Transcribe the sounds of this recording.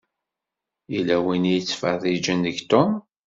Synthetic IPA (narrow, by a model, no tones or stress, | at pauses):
ilːæwinjət͡sːfəðˤid͡ʒənðəɡt̪om